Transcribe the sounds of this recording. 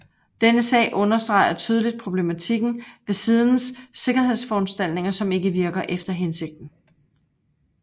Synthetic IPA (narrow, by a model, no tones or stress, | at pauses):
d̥enəsɛ̰ːɪʔɔ̽nɐsd̥ʁɑ̈ɪ̰ɐt͡sʰyːð̞ˠlid̥̚pʰʁo̝b̥le̝mæt͡sʰiɡ̥n̩ʋe̝siːð̞ˠn̩sːe̝ɡ̥ɐhe̝ð̞̰ˠsfɒɒnsd̥æl̰d̥ne̝ŋɐsɒ̽me̝ɡ̥əʋiɐɡ̥ɐʔefd̥ɐɦense̝ɡ̥̚d̥n̩